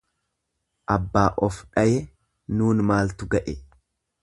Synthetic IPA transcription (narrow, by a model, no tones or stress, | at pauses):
ʔɐbːaːʔɔfᶑɐjɛ | nuːnmaːlt̪ʊɡɐʔɛ